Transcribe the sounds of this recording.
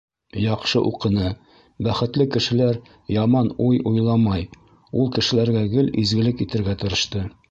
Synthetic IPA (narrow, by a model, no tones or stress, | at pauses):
jɒqʃɤʔuqɤ̆nɤ | bæχɘ̆t̪lɘkɘ̆ʃɘ̆læɾ | jɑmɑnujujlˠɑmɑj | ulˠkɘ̆ʃɘ̆læɾɡæɡɘlizɡɘ̆lɘkit̪ɘ̆ɾɡæt̪ɤ̆ɾɤ̆ʃt̪ɤ